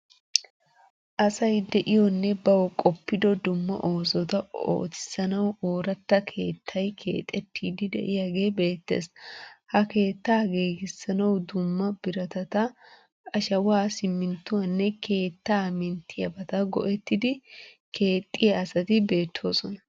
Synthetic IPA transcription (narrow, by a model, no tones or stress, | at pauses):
ʔɐsɐjd̪ɛʔɪjɔnːɛbɐwɔkʼɔpːɪd̪ɔd̪ʊmːɐ̰ʔo̞ːsɔt̪ɐo̰ːt̪ɪ̥sɐnɐwoːɾɐt̪ːɐkʰe̞ːt̪ʰːɐjkʰe̞̰ːt̪ʼɛt̪ːiːd̪ɪd̪ɛ̰ʔɪjaɡe̞ːbe̞ːt̪ːe̞̰ːshɐke̞ːt̪ːaːɡeːɡɪsːɐnɐwd̪ʊmːɐb̥ɪɾɐt̪ɐt̪ɐ | ɐʃɐwaːsɪmːɪnt̪ːʊwɐnːɛkʰe̞ːt̪ːaːmɪnt̪ʰːɪjɐbɐt̪ɐɡɔ̰ʔɛt̪ːɪd̪ɪ | kʰe̞ːt̪ʼːɪjaɐsɐt̪ɪbe̞ːt̪ʰːo̞̰ːsɔnɐ